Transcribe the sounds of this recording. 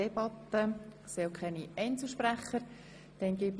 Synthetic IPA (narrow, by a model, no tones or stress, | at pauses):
eb̥ɑt̪ːə | sewkʰɛniɛɪnt͡suʃpræχːəɾ | d̥ɛnɡ̥it